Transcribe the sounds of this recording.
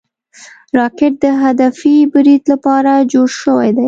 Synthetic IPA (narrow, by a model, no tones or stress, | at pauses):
ɾɑkɪʈ̚d̪əɦad̪afibɾid̪lapɑɾad͡ʒoɽʃəwa̰jd̪aj